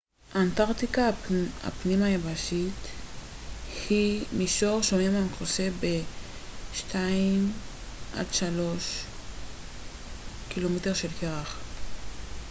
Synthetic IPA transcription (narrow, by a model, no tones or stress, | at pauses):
ʔantaʁt̪ikaa̰pnimajabaʃit | himiʃoʁʃomemamkosebe | ʃtʰaim | ʔa̰dʃalo̞ʃ | kilo̞meteʁʃelkeʁaχ